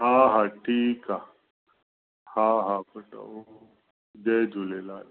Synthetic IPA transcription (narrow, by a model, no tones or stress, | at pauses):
ɦaɦaʈʰiːka | hãɦapɐʈa̰o | d͡ʒed͡ʒulelaːl